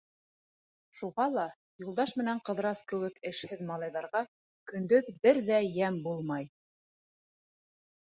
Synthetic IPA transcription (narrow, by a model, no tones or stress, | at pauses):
ʃuʁɑlˠɑ | julˠd̪ɑʃmɘ̆næɴqɤ̆ðɾɑskɘ̆wɘkɘ̆ʃhɘðmɑlˠɑjðɑɾʁɑ | kɵ̆nd̪ɵðbɘɾðæjæmbulˠmɑj